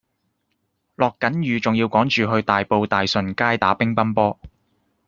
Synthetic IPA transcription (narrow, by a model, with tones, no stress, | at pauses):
lɔː˨kːɐ˨˥njyː˨˧t͡sʊ˨ŋjiː˧wkɔː˨˥ŋt͡ʃyː˨ɦɵ˧ɥt̪aː˨jpo˧wt̪aː˨jsɵ˨˩nkaː˥jt̪aː˨˥pɪ˥ŋpɐ˥npɔː˥